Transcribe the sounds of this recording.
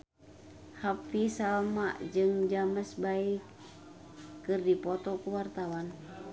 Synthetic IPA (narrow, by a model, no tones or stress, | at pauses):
hapisalmaʔd͡ʒɨŋd͡ʒaməsbaik | kːɨrdipɔt̪ɔkuwart̪awan